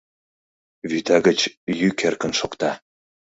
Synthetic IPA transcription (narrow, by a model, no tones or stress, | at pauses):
βyt̪ɑɡə̆t͡ɕjykerkə̆nʃokt̪ɑ